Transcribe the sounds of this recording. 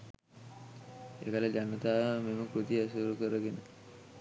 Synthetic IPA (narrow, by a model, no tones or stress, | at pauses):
ḛːkaləd͡ʒanət̪aːəmeməkɾut̪iasuɾukəɾəɡenə